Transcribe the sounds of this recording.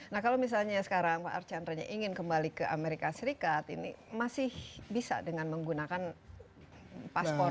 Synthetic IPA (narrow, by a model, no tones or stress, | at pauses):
nahkalawmis̬alɲasə̥kaɾaŋpa̰ʔa̰rt͡ʃanɾaɲa̰ʔiŋɪnkəmbalikəʔa̰meɾikasəɾikat̪ḭnḭmasɪhbisa̰dəŋanməŋɡunakan | paspɔ